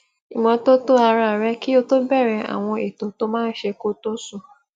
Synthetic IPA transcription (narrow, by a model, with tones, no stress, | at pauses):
i˨mɔ̃˨to˦to˦a˧ɾa˨ɾɛ˦ki˦o˧to˦bɛ˦˨ɾɛ̃˨a̰˨w̃ɔ̃˧e˨tõ˨to˦mãː˦n̩˦ʃe˧ko˦to˦su˦˨